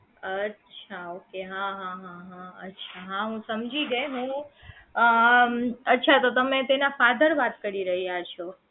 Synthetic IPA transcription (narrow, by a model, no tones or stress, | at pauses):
ətːʃʰaokeɦãɦãɦãɦãətːʃʰaɦãɦũsəmd͡ʒʱiɡəjɦũ | ə | ətːʃʰat̪ot̪əmẽt̪enafad̪əɾʋat̪kəɾiɾəɦijat͡ʃʰo